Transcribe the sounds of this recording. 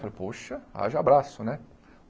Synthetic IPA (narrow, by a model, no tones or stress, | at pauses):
falpoʃɐa̰ʒɐabɾasʊnɛ